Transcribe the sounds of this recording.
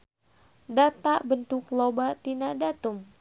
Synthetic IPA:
dat̪abənt̪ʊklobat̪inadat̪um

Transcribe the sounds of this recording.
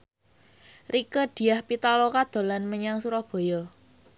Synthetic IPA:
rikəd̪̥i̤jahpit̪alokad̪̥o̤lanməɲaŋsuɾɔhb̥o̤jɔ

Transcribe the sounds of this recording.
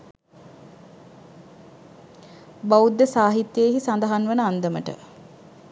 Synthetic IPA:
baud̪ːəsaːɦit̪jeːɦisand̪əɦanʋənəand̪əməʈə̰

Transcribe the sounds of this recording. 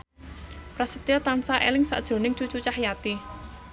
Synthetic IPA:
pɾasət̪iɔt̪ansaʔḛlɪŋsa̰ʔd̥ʒ̥ɾo̤nɪŋt͡ʃut͡ʃut͡ʃahjat̪i

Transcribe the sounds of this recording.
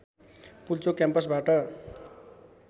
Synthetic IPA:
pult͡sokjampʌsbaʈʌ

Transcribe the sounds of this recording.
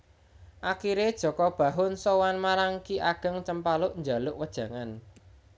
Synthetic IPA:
ʔakiɾed̥ʒ̥ɔ̤kɔb̥ä̤ɦʊnsowanmaɾaŋkiʔaɡ̥ə̤ŋt͡ʃəmpalʊʔɲd͡ʒa̤lʊʔwəd̥ʒ̥ä̤ŋan

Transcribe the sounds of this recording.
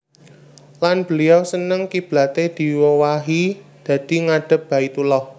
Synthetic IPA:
lanb̥ə̤liawsənəŋkib̥la̤t̪ed̪̥i̤wəwaɦi | d̪̥ä̤d̪̥i̤ŋaɖ̥ə̤p̚b̥a̤it̪ulɔh

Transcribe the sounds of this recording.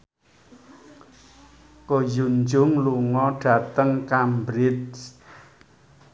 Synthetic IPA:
kojund͡ʒʊŋluŋɔɖ̥ä̤t̪əŋkambɾɪt̪̚

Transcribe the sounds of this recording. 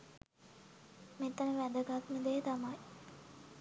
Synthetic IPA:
met̪ənəʋæd̪əɡakməd̪eːt̪amaj

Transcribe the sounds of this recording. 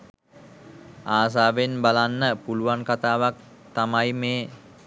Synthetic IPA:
aːs̬aːʋenbalanːəpuluʋankat̪aːʋak̚ | t̪amajmeː

